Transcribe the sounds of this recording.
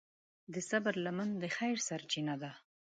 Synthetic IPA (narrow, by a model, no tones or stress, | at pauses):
d̪əsabɾlamand̪əxajɾsaɾt͡ʃinad̪a